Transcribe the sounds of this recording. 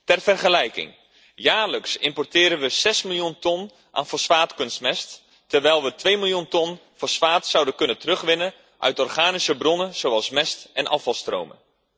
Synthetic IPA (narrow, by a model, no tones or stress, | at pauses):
tɛrfərχəlɛjkɪ̰ŋ | jaːrləksɪmpɔrtɪːɾənʋəsɛsmilˠjuntɔn | ʔa̰ːnfosfaːtkɵnstmɛst | tərʋɛjlˠʋətʋejmilˠjuntɔnfɔsfaːtsawdənkɵnəntərɵχʋɪnə | ʔœ̰ɥtɔrχaːnisəbrɔnənz̥owɑlˠsmɛstɛnʔɑ̰fɑlˠstro̰wmə̰n